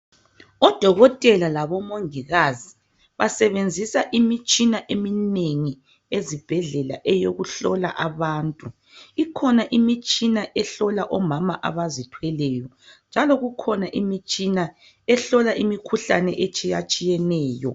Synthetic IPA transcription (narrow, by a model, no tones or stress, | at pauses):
ɔd̥ʱɔɣɔtʼɛlalaβɔmoŋiɣazi | βasɛβend͡zʱisaʔimit͡ʃʼinaʔemineŋi | ezib̥ʱɛɮɛla̰ʔɛjoɣuɬɔla̰ʔaβaːntʼu | ikʰɔnaʔimit͡ʃʼinaʔɛɬɔlaʔɔmamaʔa̰βazitʰwɛlɛjɔ | nd͡ʒʱalɔɣukʰɔnaʔimit͡ʃʼina | ɛɬɔlaʔimikʰuɬanɛʔet͡ʃʼijat͡ʃʼijɛnɛːjɔ̰